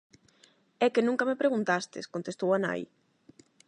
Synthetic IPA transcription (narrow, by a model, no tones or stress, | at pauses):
ɛkenũŋkɐmepɾeɣunt̪ast̪ḛskont̪est̪owana̰j